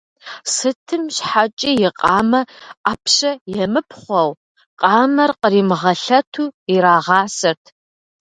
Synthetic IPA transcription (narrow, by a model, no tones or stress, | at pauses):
sɨtʰɨmɕħat͡ʃʼiːjɪqʼɑːmɐaːpʰɕɐjɛmɨpʰχʷɔw | qʼɑːmɐrqəriːmɨʁɐɬɐtʰuːiɾaːʁɑːsɐrtʰ